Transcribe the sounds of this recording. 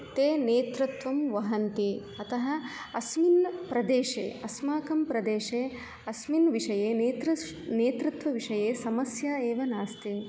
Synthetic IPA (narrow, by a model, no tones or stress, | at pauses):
t̪eːneːt̪ɾɐt̪ʋɐmʋɐɦɐnt̪i | ɐt̪ɐɦɐ̆ | ɐsminpɾɐd̪eːʂḛːɐsmaːkɐmpɾɐd̪eːʂeː | ɐsminʋiʂɐjeːneːt̪ɾɐ | neːt̪ɾut̪ʋɐʋiʂɐjeːsɐmɐsjaːeːʋɐnaːst̪i